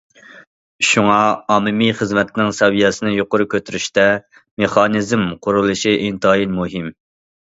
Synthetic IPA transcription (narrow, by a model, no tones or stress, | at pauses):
ʃuŋɑɑːmɨmiχəzmɛt̪ʰɪnɪŋsɛwijɛsɨnɨjoqʊɾukʲʰøt̪yɾyʃt̪ɛ | meχɑnizmqʰʊɾulˠɨʃiʔint̪ɑːjinmuɦɪm